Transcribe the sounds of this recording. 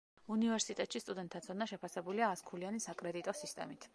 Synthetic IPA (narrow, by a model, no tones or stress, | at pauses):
univɛɾsit̪ʼɛt̪ʼʃist̪ʼud̪ɛnt̪ʰːat̪sʰɔnaʃɛpʰasɛbuliaːskʰulianisakʼɾɛd̪it̪ʼɔsist̪ʼɛ̰mit̪ʰ